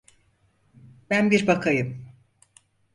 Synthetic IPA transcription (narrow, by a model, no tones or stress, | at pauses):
bænbiɾbakʰajɯm